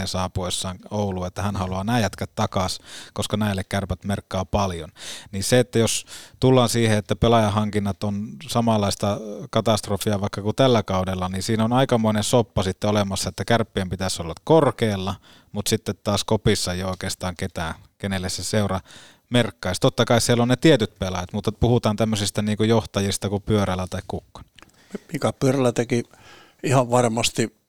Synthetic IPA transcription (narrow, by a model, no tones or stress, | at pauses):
esɑːpoisːɑːŋouluːet̪ːæhænhɑluɑnæːjæt̪kæt̪ːɑkɑskoskɑnæilːekkærpæt̪merkːɑːpɑljonniːseet̪ːæjost̪ulːɑːnsiːheet̪ːæpelɑjɑɦɑŋkinːɑt̪onsɑmɑlːˑɑist̪ɑkɑt̪ɑst̪rofiɑʋɑikːɑkut̪ælːækɑudelːɑninsiːnonɑikɑmoinensopːɑsit̪ːeolemɑsːɑet̪ːækærpːiempit̪æsolːɑkkorkeːlːɑ | mut̪sit̪ːet̪t̪ɑːskopisːɑeijoˑikeːst̪ɑːŋket̪æː | kenelːesseseurɑ | merkːɑist̪ot̪ːɑkɑissielonnet̪iet̪yt̪pelɑjɑt̪mut̪ːɑpuhut̪ɑːnt̪æmːøsist̪æniːŋkujoht̪ɑjist̪ɑkupyøɾælːˑæt̪ɑikkukːo̥n | mikæpyørælæt̪eki | ihɑʋʋɑrmɑst̪i